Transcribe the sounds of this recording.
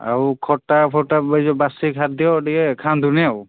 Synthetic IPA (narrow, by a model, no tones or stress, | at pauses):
a̰ɹukʰɔtapʰɔtabazɔbasikʰat̚d̪ijɔtikɛkʰand̪ʱuniaw